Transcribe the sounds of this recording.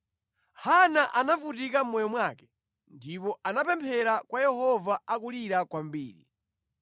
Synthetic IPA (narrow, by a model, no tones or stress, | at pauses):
hanaʔanavutikam̩mɔjɔmwaːkɛ̥ | ndipɔʔanapɛmpʰɛɾakwajɛhɔvaakuliɾakwam̩biːɾḭ